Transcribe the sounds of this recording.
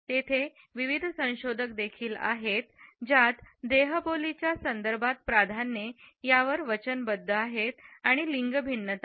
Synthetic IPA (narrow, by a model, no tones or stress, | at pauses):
t̪et̪ʰe | ʋiʋid̪ʱsə̃w̃ɕod̪ʱək̚d̪ekʰiːla̰ɦet̪d͡ʑat̪d̪eɦəbolit͡ɕjasənd̪əɾbʱat̪̚pɾad̪ʱanːejaʋəɾʋət͡ɕənbəd̪ʱːəaɦet̪aɽ̃iliŋɡəbʱinːət̪a